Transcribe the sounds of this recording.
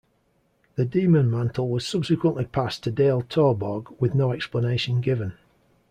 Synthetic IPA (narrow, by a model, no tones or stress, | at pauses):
ðədiːmə̃nmãntʰˡl̩ˠwɒz̥sʊb̥sɪkwə̃nʔlɪpʰastʰədeɪlˠtʰɔːbɒɡwɪðnoʊɛkspləneɪʃə̃nɡɪvə̃n